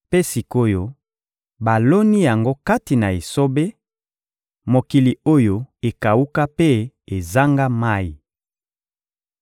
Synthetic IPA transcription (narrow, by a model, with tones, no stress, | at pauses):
pe˦si˨ko˦jo˦ | ba˨lo˦ni˦ja˨ŋɡo˦ka˦ti˨na˨e˨so˦be˦ | mo˨ki˨li˨o˦jo˦e˨ka˨u˦ka˦pe˦ | e˨za˦ŋɡa˦ma˦i˨